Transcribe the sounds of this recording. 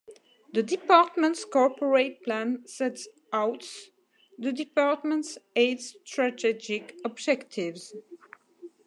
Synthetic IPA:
ðədipaɹtmə̃ntskɔɹpɔɹet̚plæ̃nsɛts | awts | ðədipaɹtmə̃ntsedstɹatɛd͡ʒɪkɔbd͡ʒɛktʰɪvz̥

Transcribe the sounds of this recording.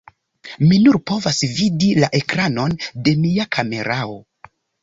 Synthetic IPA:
minuɾpo̞vasvidilaʔe̞kɾano̞nde̞miakʰame̞̰ɾao̞

